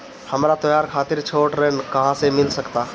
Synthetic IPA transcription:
həmɾat̪ɐjaːɾkʰaːt̪ɪɾt͡ʃʰoːʈɾɛɦnkəɦãsemɪlsəkt̪aː

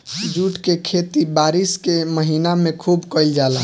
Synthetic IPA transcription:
d͡ʒuʈkekʰet̪ibaɾiskeməɦinamẽkʰubkəɪld͡ʒala

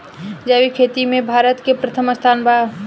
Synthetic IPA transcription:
d͡ʒaːʋikʰeːt̪imẽbʱaːɾət̪kepɾət̪ʰəməst̪ʰaːnba

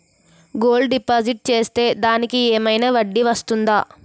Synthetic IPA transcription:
ɡo̞ːlɖɖipaːd͡ʒiʈ̚t͡ʃe̞ːst̪e̞ːd̪aːnikieːmɐjnɐʋɐɖːiʋɐst̪und̪aː

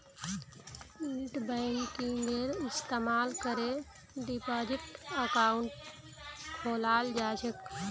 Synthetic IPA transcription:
ilʈbəɪŋkiŋɡeɾɪst̪eːmaːlkəɾe | ɖipaːd͡ʒɪʈəkaːʊɳʈ | kʰoːlaːld͡ʒaːd͡ʒək

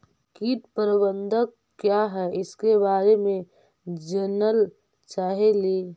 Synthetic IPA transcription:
kiːʈ̪pəɾɪbə̃nd̪ək | kːjaɦɛɪskebaːɾemẽ | d͡ʒənəl | t͡ʃaːɦeleː

